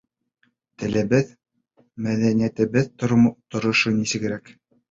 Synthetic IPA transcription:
t̪ɘ̆lɘ̆βɘð | mæðænijæt̪ɘ̆βɘðt̪ot̪ŏɾŏʃonisɘ̆ɡɘ̆ɾæk

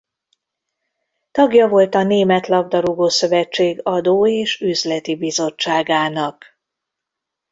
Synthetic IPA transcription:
t̪ɒɡjɒvo̞lt̪ɒneːmɛt̪lɒb̚d̪ɒɾuɡoːsø̞vɛt͡ʃːeːɡɒd̪oːeːʃyzlɛt̪ibizo̞t͡ʃːaːɡaːnɒk

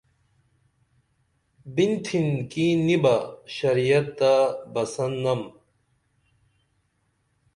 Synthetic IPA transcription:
bint̪ʰinkinibɐɕɐɾijɐt̪̚ːd̪abɐsɐnːɐm

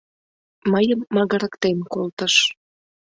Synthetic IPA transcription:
məjəmːɑɣəɾəkt̪emkolt̪əʃ

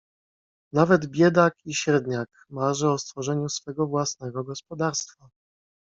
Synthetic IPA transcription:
navɛd̪bʲjɛd̪akiɕɛɾd̪ɲak | maʐɛɔst̪fɔʐɛɲusfɛɡɔvwasnɛɡɔɡɔspɔd̪aɾst̪fa

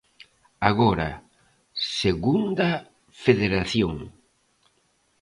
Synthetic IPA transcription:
aɣɔɾa̰ | seɣund̪ɐ | feðeɾaθjoŋ

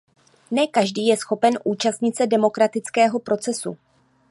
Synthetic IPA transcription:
nɛkaʒdiːjɛsxo̞pɛnʔuːt͡ʃast̪ɲɪt̪t͡sɛdɛmo̞kɾat̪ɪt͡skɛːɦo̞pɾo̞t͡sɛsṵ

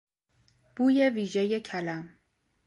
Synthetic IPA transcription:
b̥uːje̞viːʒejecʰælæm

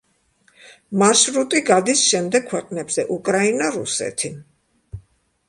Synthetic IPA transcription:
maɾʃɾut̪ʼiɡad̪isʃɛmd̪ɛkkʰwɛqʼnɛbz̥ɛʔukʼɾainaɾṵsɛ̰t̪ʰi

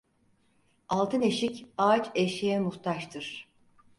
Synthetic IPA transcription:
alˠt̪ʰɯne̞ʃicaːt͡ʃeʃejɛmuxt̪ʰaʃt̪ʰɯɾ̥

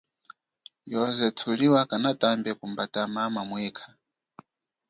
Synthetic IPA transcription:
jɔzɛt͡sʰuliwakanatambɛkumbatamamamwɛːkʰḁ

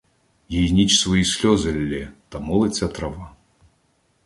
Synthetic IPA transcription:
jejnʲit͡ʃsvɔjisʲlʲɔzɐlʲːɛt̪ɐmɔlˠet͡sʲɐt̪ɾɐva

